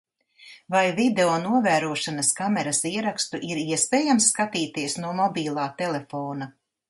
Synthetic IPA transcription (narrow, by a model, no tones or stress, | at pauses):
vajvid̪eonuɔvæːɾuɔʃanɐskamɛɾasiɛɾakst̪uʔiɾiɛspeːjamsːkat̪iːt̪iɛsnuɔmɔbʲiːlˠaːt̪ɛlefoːna